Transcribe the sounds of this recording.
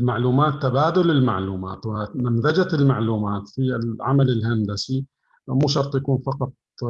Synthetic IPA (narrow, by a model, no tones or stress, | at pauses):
lmaʕluːmaːt̪ːabaːd̪ʊlɪlmaʕluːma̰ːt̪wɪmanðad͡ʒatɪlmaʕluːmaːt̪filʕa̰malɪlɦand̪asi | muːʃɑɾˤt̪ˤjakuːnfɑqɑt̪̚ˤ